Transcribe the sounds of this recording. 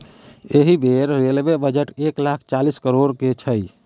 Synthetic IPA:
eɦibʱeɾɾelʋebəd͡ʒəʈeklakʰt͡ʃaliskəɾoɽket͡ʃʰəj

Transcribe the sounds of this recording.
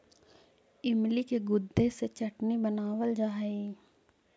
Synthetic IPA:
ɪmlikeɡʊd̪ʱːeset͡ʃɐʈnibɐnaːʋəld͡ʒaːɦi

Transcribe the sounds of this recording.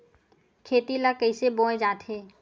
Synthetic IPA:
kʰeːt̪ilakəɪsebõːd͡ʒaːt̪ʰɦeː

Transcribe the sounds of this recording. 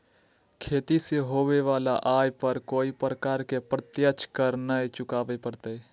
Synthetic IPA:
kʰeːt̪iseɦoːʋeʋaːlaʔaːjpəɾkoːipɾəkaːɾkepɾət̪jət͡ʃkəɾnaet͡ʃʊkaːʋepəɾt̪eː

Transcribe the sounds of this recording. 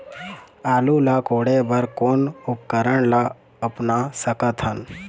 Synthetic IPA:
aːlulakoːɽebəɾkoːnʊp̚kəɾəɽla | əpnasəkət̪ɦən

